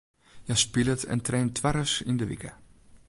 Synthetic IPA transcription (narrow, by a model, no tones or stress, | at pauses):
jaspilətʰɛ̰ntrɛːntʰʋaɾəsindəʋḭkə